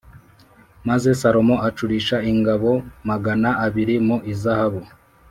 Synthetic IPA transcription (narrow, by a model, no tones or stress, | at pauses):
maze̞saɾo̞mo̞at͡ʃuɾiːʃaiŋɡaβo̞maɡanaʔːβiɾimuʔizahaβu